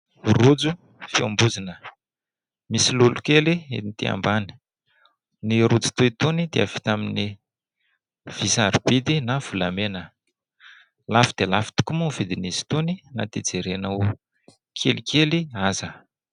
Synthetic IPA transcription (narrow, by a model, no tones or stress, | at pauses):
rud͡zu | fiambuzinə | misilulukeliḛnit̪ia̰mbani̥ | niɾud͡zu̥t̪uit̪unid̪̥ea̰fi̥t̪amini | v̥isaɾib̥id̪inav̥ulamenə | lafid̪̥elafi̥t̪u̥kumuvid̪inisi̥t̪unina̰t̪id͡zeɾenau | kʰelikʰeliazə